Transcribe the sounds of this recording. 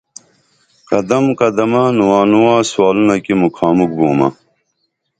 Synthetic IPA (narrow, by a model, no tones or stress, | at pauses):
kɐd̪ɐmkɐd̪ɐmanuwaːnuwaːswaːlunɐkimukʰaːmuk̚buːmɐ̰